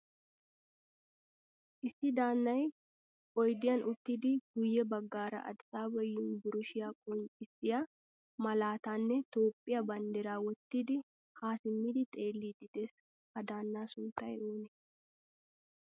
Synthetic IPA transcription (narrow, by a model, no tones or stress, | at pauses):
ʔɪsːɪd̪aːnːɐj | ɔjd̪ɪjɐnʔʊt̪ːɪd̪ɪɡ̥ʊjːɛbɐɡːaːɾɐ̰ʔɐ̰d̪saːbɔjːʊnbʊɾʊʃɪjaːkʼɔnɪsːɪja | mɐlaːt̪aːnːɛt̪o̞ːpʼːɪjɐbɐnd̪ɛɾaːwɔt̪ːid̪ɪ | haːsɪmːɪd̪ɪt̪ʼe̞ːlːid̪ɪd̪̥ɛs | hɐd̪aːnːaːsʊnt̪ːɐjoːnɛ